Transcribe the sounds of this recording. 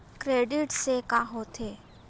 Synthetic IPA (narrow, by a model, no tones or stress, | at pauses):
kɾeːɖɪʈsekaɦoːt̪ʰeː